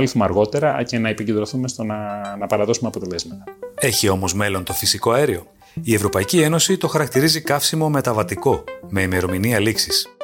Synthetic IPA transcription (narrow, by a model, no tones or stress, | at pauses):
liθumɐɾɣo̞t̪e̞ɾɐce̞nɐepicend̪ɾo̞θumest̪onɐnɐpɐɾɐðo̞sumeɐpot̪e̞le̞zmɐt̪ɐ̥e̞çio̞mo̞zme̞lo̞nt̪o̞fisiko̞ɐeɾio̞ | ie̞vɾo̞pɐicie̞nosit̪o̞xɐɾɐk̚t̪iɾizikɐfsimo̞me̞t̪ɐvɐt̪iko̞me̞ime̞ɾo̞miniɐliksis